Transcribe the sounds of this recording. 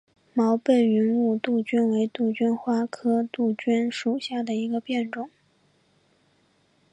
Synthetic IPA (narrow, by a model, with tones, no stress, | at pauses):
mɑ˧˥ʊpe˥˩ɪy˧˥nu˥˩˧t̪u˥˩t͡ɕy˥nwe˧˥ɪt̪u˥˩t͡ɕy˥nxwa˥kʰɤ˥t̪u˥˩t͡ɕy˥nʂu˨˩ɕja˥˩d̪ə˩i˧˥ɡə˧pjɛ˥˩nʈ͡ʂʊ˨˩˦ŋ